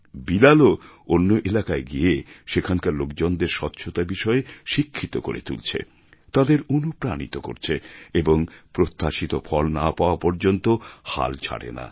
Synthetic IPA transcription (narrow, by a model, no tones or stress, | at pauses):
bilaloonːoʔelakaeɡieʃekʰaŋkaɾlokd͡ʑond̪eɾʃɔt̪ːɕʰot̪abiʃɔeʃikʰːit̪oko̰ɾḛt̪ṵlt͡ɕʰḛ | t̪ad̪eɾunupɾanḭt̪oko̰ɾt͡ɕʰeeboŋpɾot̪ːaʃit̪ofʰɔlnapaoapɔɾd͡ʑont̪oha̰lt͡ɕʰa̰ʈḛna̰